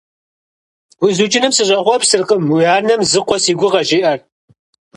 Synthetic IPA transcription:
wizuːt͡ʃʼɪnɨmsɨɕʼɐχʷɔpsɨrqəmuaːrnɐmzɨqʷɔsiːɡʷʊʁɐʒɪːʔɐr

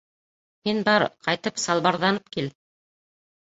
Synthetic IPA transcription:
minbɑɾqɑjt̪ɤpsɑlˠbɑɾðɑnɤp̚kil

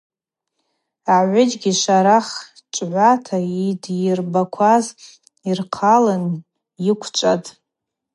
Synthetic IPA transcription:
aʕʷʊd͡ʒɡʲiʃʷaɾaχ | t͡ʃʷʼʕʷatʰaidjɪrbakʷʰaz | irqʰalɨn | jɪkʷʰt͡ʃʷʼatʼ

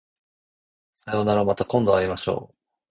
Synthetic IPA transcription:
sajo̞naɾomat̪akõnd̪o̞aɾʲimaɕo̞̰ː

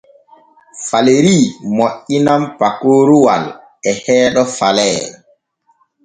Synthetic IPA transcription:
faleɾimɔʔːinampakoːɾuwa̰l | ɛhɛːɗɔfalɛ

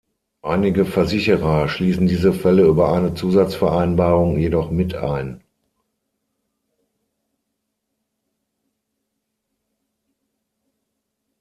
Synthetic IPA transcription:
ʔaɪnɪɡəfɛɐzɪçəʁɐʃliːsn̩diːzəfɛləyːbɐʔaɪnət͡suːzat͡sfɛɐʔaɪnbaːʁʊŋjedɔχmɪtʰa̰ɪn

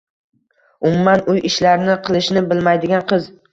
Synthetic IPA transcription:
ʊmʊmanʊjʔɪʃlaɾnɪqʰɨlˠɪʃnɪbɪlmajd̪ɪɡʲanqʰɨz

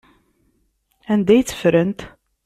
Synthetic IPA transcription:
ænd̪æjt͡sːə̥fɾənt̪

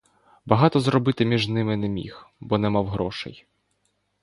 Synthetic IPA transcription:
bɐɦɑt̪ɔzɾɔbɪt̪ɪmʲiʒnɪmɪnɛmʲḭxbɔnɛmɑwɦɾɔʃɛ̰j

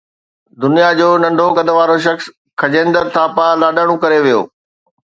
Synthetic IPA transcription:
d̪ʊnijad͡ʑoːnɐ̃ɳɖʱokɐɗ̪əʋaːɾoʃ̬ɐxs | kʰɐd͡ʑẽːnd̪əɾt̪ʰaːpalaːɗəɽ̃ũkɐɾeʋijo̰ː

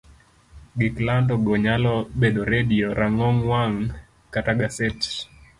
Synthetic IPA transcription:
ɡiklandɔɡɔɲalɔɓɛɗɔɾeɗiɔɾʔaŋɔŋwaŋ | kataɡasɛt

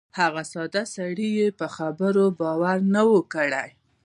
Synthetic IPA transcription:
haɣasɑd̪asaɽijepəxabəɾobɑwaɾnawəkəɽaj

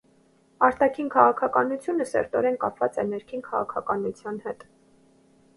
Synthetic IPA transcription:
ɑɾt̪ɑkʰinkʰɑʁɑkʰɑkɑnut͡sʰjunəsɛ̰ɾt̪ɔɾɛnkɑpʰvɑt͡sɛnɛɾkʰinkʰɑʁɑ̰kʰɑkɑnut͡sʰjɑnhɛt̪

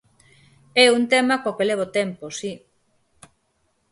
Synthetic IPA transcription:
ɛunt̪emakokeleβ̞ot̪emposi

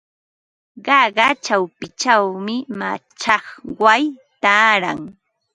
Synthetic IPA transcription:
ɢɑɢɑt͡ʃawpɪt͡ʃawmɪma̰t͡ʃɑχwajt̪aːɾa̰ŋ

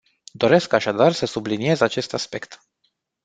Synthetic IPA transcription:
d̪o̞ɾe̞skaʃad̪arsəsublinie̞zat͡ʃe̞st̪aspe̞kt̪

